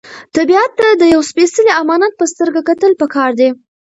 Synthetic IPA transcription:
t̪abiat̪ːad̪əjawspesəliamɑnat̪̚pəst̪əɾɡakat̪əlpəkʰɑɾd̪e

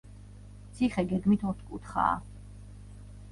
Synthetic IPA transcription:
t̪sʰiχɛɡɛɡmit̪ʰɔɾt̪ʰkʼṵt̪ʰχa̰ː

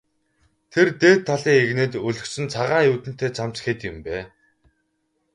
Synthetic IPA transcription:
t̪ʰert̪eːt̪ʰːaɮiːŋeɣneːt̪ɵɮɵ̆xsɘ̆nt͡sʰaʁaːjuːt̪ɘ̆n̥t̪ʰeːt͡sʰam̥t͡ɕxet̪ɪ̆mpæː

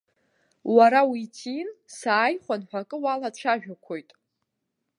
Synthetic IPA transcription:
waɾawitʰinsaːjχʷanħʷᶣakʼɨwaladʈ͡ʂʷʰaʒᶣakʷʰojtʼ

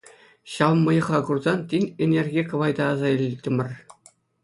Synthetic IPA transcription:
ɕɑʋmːɤ̆jɤ̆χɑɡurzɑntʲinʲenʲerʲɡʲekɤ̆ʋɑjd̪ɑːzɑilʲtʲɘ̆mʲɘ̆rʲ

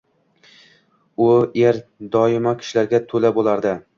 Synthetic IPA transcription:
ʊeɾd̪ɒɪmakʲʰɪ̥ʃlaɾɡʲat̪ʰɵlabolˠaɾd̪ɪ

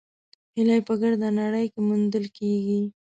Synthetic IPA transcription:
hɪlajpəɡaɽd̪anaɽəjkemund̪əlkeɡi

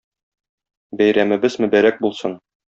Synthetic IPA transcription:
bæjɾæmɘ̆bɘzmɵ̆bæɾæk̚bulˠsɤn

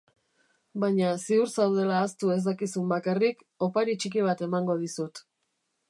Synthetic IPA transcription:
bajɲasiuɾsawðe̞laːst̪ue̞zd̪akisumbakarik | o̞paɾit͡ʃikiβ̞at̪e̞maŋɡo̞ð̞isut̪

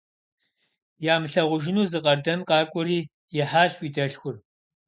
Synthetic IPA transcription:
jaːmɨɬɐʁʷʊʒɪnuːzɨqʼɐrdɐnqɑːkʷʼʊɾiː | jɛħaːɬwiːdɐɬxʷʊr

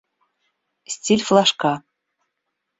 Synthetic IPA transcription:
sʲtʲilʲflˠɑʃkɑ

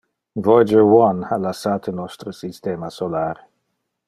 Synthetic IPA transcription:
vɔjd͡ʒəwɔnhalasaːt̪ʰənɔst̪ɾəsist̪eːmasolaːɾ

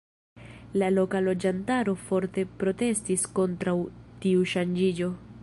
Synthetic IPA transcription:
lalo̞kalo̞d͡ʒantaɾo̞fo̞ɾte̞pɾo̞te̞stisko̞ntɾawtiuʃand͡ʒid͡ʒo̞

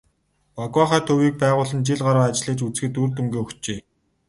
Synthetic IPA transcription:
pakwaχæːt̪ʰɵwiːk̚pæːʁʊːɮə̆nt͡ɕiɮɢaɾaːat͡ɕɮiːt͡ɕut͡sxɘ̆t̪urt̪umɡʲeːɵkt͡ɕeː

